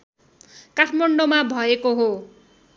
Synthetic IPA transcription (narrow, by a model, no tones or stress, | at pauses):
kaʈʰmʌɳɖomabʱʌekoɦo